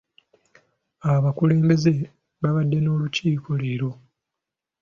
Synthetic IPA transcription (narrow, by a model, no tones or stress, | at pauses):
aβakule̞ːmbe̞ze̞ | βaβadːe̞no̞ːluciːkʰo̞leɾo̞